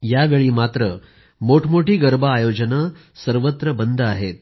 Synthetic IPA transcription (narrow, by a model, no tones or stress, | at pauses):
jaʋeɭiːmat̪ɾə | moʈʰmoʈiːɡəɾbʱaːjod͡ʑənə | səɾʋət̪ɾəbənd̪ʱəaɦet̪̚